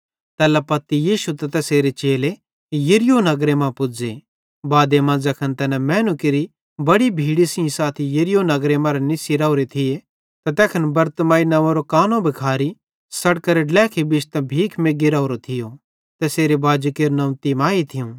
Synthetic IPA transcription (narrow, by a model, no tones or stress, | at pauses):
t̪ɛːlɛpɐt̪ːijiːʃut̪ɐt̪ɛːseːɾet͡ʃeːle | jɐɾɪjonɐɡɾemãpʊd͡ze | baːd̪emãd͡zɐkʰɐnt̪ɛːnɛmɛːnʊkiɾi | bɐɽibʱiːɽisɪ̃ĩsaːt̪ʰijɐɾɪjonɐɡɾemãɾenɪsiɾauɾet̪ʰɪje | t̪ɐt̪ɛːkʰənbɐɾt̪maːinɐʋõɾokaːnõbʱɪkʰaːɾi | sɐɽkɐɾeɖlɛːkʰibɪt͡ʃʰt̪ɐbʱiːkʰmeːɡiɾaʊɾot̪ʰɪjo | t̪ɛːseːɾebaːd͡ʒukeːɾnɐ̃ʊ̃t̪imaːit̪ʰɪjũ